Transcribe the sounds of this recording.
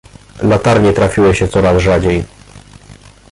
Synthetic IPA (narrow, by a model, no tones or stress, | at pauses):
lat̪aɾɲɛt̪ɾafʲiwɘɕɛt̪sɔɾazʐad͡ʑej